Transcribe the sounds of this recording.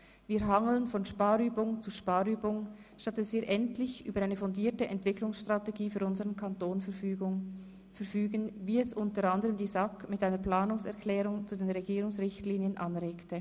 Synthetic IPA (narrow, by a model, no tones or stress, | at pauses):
viːɦɑŋl̩ənfɔnʃpaːʁyːbʊŋt͡suʃpɑːʁyːbʊŋ | ʃtatɛsviːɾʔɛntlɪçʔyːbɐʁaɪnəfɔndiːɐtəʔɛntv̥ɪkʰlʊŋsʃtʁ̥ɑteɡiːfyːɾʊnzəʁənkʰɑntoːnfɛyːɡʊ | fɛʁfyːɡənviːɛsʔʊntəʁandəʁəmdiːzɑkmɪtʔaɪnəplaːnʊŋsɛ̰ɐʁkʰlɛːʁʊŋt͡suːdeːnʁeɡiːʁʊŋsʁɪçtliːnjənʔɑnʁeːktə